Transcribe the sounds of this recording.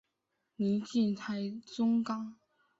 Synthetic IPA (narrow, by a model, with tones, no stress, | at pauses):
ni˧˥˦t͡ɕi˥˨nt̪ʰa˧˥ɪt͡sʊ˥ŋkɑ˥ŋ